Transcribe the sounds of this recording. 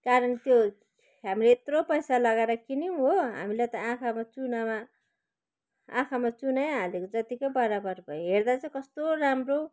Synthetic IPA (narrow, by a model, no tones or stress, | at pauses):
kaɾʌnt̪jo | ɦamileet̪ropʌjsalʌɡaɾakiniũɦoɦa̰milajt̪ʌãkʰamat͡sunama | ã̰kʰamat͡sunajɦalekod͡zʌt̪ikʌbʌɾabʌrbʱʌjoɦerd̪at͡sʌ̃kʌst̪oɾamro